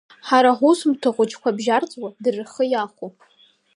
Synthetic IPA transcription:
ħaɾaħʷʊsmtʰɨχʷʼʊt͡ʃʰʼkʷʰabʒart͡sʼwadɨrχəjaχʷopʼʰ

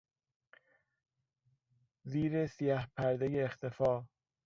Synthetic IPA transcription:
ziːɾesijæhpʰæɾd̪ejeːxt̪ʰe̞fɒː

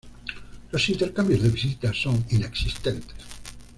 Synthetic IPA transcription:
losint̪eɾkambjozðeβisit̪asonineksist̪ent̪e̥s

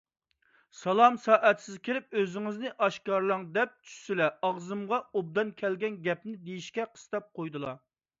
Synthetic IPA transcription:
sɑlˠɑmsɑːʔɛt̪ʰsɪzkʲʰiɾɪp̚øzɪŋɪznɪʔɑʃkɑɾlˠɑŋd̪ɛp̚t͡ʃʰy̥ʃsɪlɛɑʁzɨmʁɑob̚d̪ɑnkʲʰɛlɡʲɛnɡʲɛpnɪd̪ejiʃkʲɛqʰə̥st̪ɑp̚qʰojd̪ɨlˠɑ

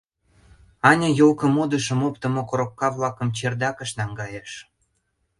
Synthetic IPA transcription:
ɑnʲəjolkə̆mod̪əʃə̆mopt̪ə̆mokoɾokːɑvlɑkə̆mt͡ɕerd̪ɑkə̆ʃnɑŋɡɑjeʃ

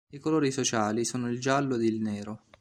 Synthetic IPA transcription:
ikoloːɾisot͡ʃaːlisoːnoild͡ʒalːoed̪ilneːɾo

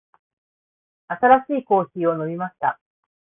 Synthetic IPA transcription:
at̪aɾaɕiːko̞ːçiːo̞no̞bʲimaɕi̥t̪a

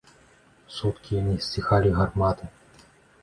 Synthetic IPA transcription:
sut̪kʲijanɨsʲixalʲiɣarmat̪ɨ

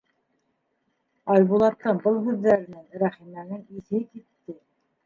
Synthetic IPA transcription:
ɑjβulˠɑt̪ːɤbɤlˠɦʉðːæɾɘ̆nɘŋɾæχimænɘŋiθɘkit̪ːɘ

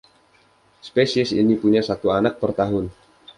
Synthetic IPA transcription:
spesiɛsḭnipuɲasat̪uanak̚pərt̪aɦʊn

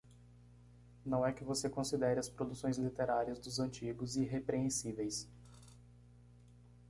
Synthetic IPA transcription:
nɐ̃w̃ɛkɪvosekõsid̪ɛɾɪɐspɾod̪usõj̃zlit̪eɾaɾiɐzd̪ʊzɐ̃nt͡ʃiɡʊziɦepɾeẽsivejs

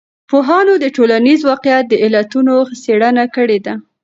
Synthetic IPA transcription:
poɦɑnod̪əʈolanizwɑqjat̪̚d̪əɪlat̪unoxseɽənakəɽed̪a

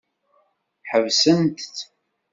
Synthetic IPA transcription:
ħəvsənt̪

